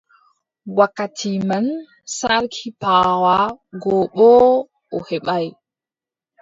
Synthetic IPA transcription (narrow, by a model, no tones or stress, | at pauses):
wakːatʰiman | saɾkʰipaːwaɡɔɓɔ | ʔɔhɛɓaj